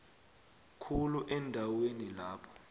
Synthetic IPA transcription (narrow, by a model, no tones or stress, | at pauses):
kʰuluʔɛndʱawenilaːpʰɔ̥